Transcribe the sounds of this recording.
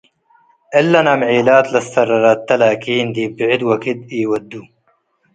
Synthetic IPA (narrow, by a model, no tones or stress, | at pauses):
ʔelːɐnɐmʕiːlaːt̪lɐst̪ɐrːɐɾaːt̪ːɐlaːkiːnd̪iːbiʕid̪wɐkid̪̚iːwɐd̪ːu